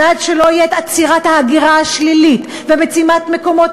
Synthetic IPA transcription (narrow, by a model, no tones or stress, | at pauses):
adʃelo̞ijeet̪at͡siʁathaːɡiʁaaʃlilit | vebet͡simat̪me̞ko̞mo̞t